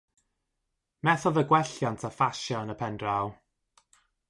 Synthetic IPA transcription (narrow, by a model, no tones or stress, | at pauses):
mɛθɔðəɡwɛɬjantʰafaʃjɔənəpʰɛndraw